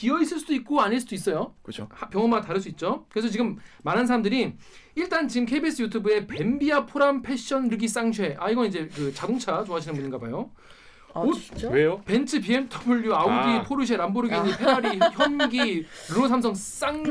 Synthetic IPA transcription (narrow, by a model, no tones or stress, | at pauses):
kiʌis͈ʰɯɭs͈ud̥oik̚k͈oaɲiɭs͈ud̥ois͈ʌjokt͡ɕʰhpjʌŋʌnmataɾɯɭs͈uit̚t͡ɕ͈okɯɾe̞sʰʌt͡ɕiɡɯmːaɾɦansʰaɾamdɯɾi | iɭt͈ant͡ɕiɡɯmkʰeibis͈ʰɯjutʰubɯe̞pembiapʰoɾampʰe̞ɕ͈ʌnɾɯɡis͈aŋɕʰwe̞ʔaiɡʌnid͡ʑe̞kɯt͡ɕadoŋt͡ɕʰat͡ɕoɦaɕʰinɯnmuɲinŋɡabajo | oweope̞nt͡ɕʰɯpiemtʰʌbuʎːjuaodipʰoɾɯɕʰweɾamboɾɯɡid͡ʑepʰeaɾiçjʌnɡiɾɯɾosʰamsʰʌŋs͈aŋ